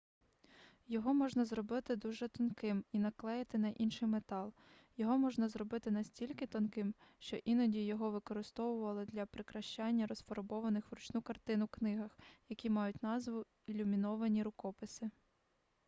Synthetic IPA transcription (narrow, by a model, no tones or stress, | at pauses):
jɔɦɔmɔʒnɐzrɔbɪt̪ɪd̪uʒɛt̪ɔnkɪminɐklˠɛjɐt̪ɪnɐʔinʃɪjmet̪ɑlˠ | jɔɦɔmɔʒnɐzrɔbɪt̪ɪnɐsʲtʲilʲkɪt̪ɔnkɪmʃt͡ʃɔʔinɔdʲijɔɦɔʋɪkɔɾɪst̪ɔʋʊʋɐlˠɪd̪lʲɐpɾɪkɾɐʃt͡ʃɑnʲːɐɾɔsfɔɾɔbɔʋɐnɪxʋrʊt͡ʃnukɐrt̪ɪnʊknɪɦɐxjɐkʲimɑjʊtʲnɑzʋʊ | ilʲumʲinɔʋɐnʲiɾʊkɔpɪsɪ